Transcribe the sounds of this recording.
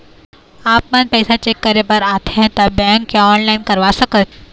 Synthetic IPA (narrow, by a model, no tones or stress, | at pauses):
aːpmɐnpɛɪsat͡ʃeːkːɐɾepɐɾaːt̪ʰeɦt̪ɐbɛ̃ːŋkːaɔːnlaːɪnkɐɾʋasɐkət̪̚